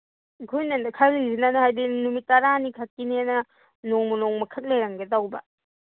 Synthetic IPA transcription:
kʰojnɐnkʰalizinanuhajdinumitːɐɾanikʰak̚ːinianɐ | noŋmunoŋmɐkʰɐk̚lejɾaŋɡɐdawbɐ

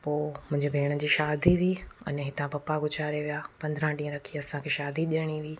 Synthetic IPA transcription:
poːmʊ̃ɦɪ̃ɲd͡ʑibʱeːɽ̃əd͡ʑiːʃaːd̪iʋiːɐ̰nɛɦɪt̪ãpɐpaɡʱʊt͡ɕaːɾeʋijapɐ̃nd̪ɾãɖĩːə̃ɾɐkʰiɐsãkʰeːʃaːd̪iɗeɽ̃iʋiː

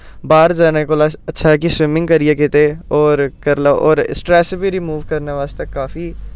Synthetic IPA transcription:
baːɾd͡ʒaːnekoːlaɐtːʃʰakisʋɪmɪ̃ŋɡkɐɾijekeːt̪eɔːɾkɐɾlaʔɔ̰ːɾɪ̰sʈɾɛːsbʱiɾimuːʋkɐɾneʋaːst̪ekːaːfi

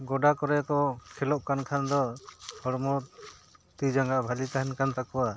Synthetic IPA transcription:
ɡɔɖakɔɾɛkɔkʰɛlɔʔ̚kankʰand̪ɔhɔɽmɔɾt̪ud͡ʒaŋɡaʔbʱalit̪aɦɛnkant̪akɔwa

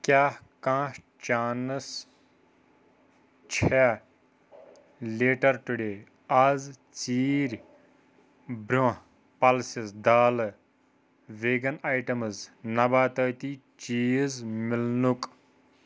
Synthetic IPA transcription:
kjaːkãːʃ | t͡ʃaːnɨs | t͡ʃʰɛ | leːʈɐɾʈuɖeː | ɐz | t͡ʃt͡siːɾʲ | bɾõ | pɐlsisd̪aːlɨ | ʋeːɡɐnaːjʈɐmɨznɐbaːt̪əːt̪i | t͡ʃiːzmɪlnuk

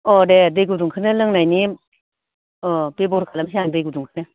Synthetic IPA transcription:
ɔdedɯjɡuduŋkʰɯnɯlɯŋnajni | ɔbebɔɾkʰalamsiaŋdɯjɡuduŋkʰɯnɯ

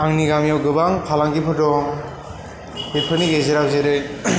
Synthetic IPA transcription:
aŋniɡamjawɡɯbaŋpʰalaŋɡipʰɯdɔŋ | epʰɯniɡejzeɾakzeɾɯj

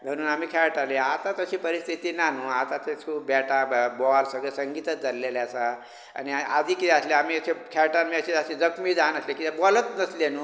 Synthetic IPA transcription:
mʱəɽ̃uːnamiːkʰɛɾʈaleat̪at̪əɕiːpəɾist̪ʰit̪iːnanuːat̪at̪eskʰuːpbɛʈabbɔlsəɡɭesəŋɡit̪ət͡sd͡zəɾleleasa | a̰ñia̰d̪ʱiːkit̪ʰɛəsleamiːəɕekʰɛɾʈamiəɕiasid͡zəkmiːd͡zanəslekit̪ebɔlət̪nəslenuː

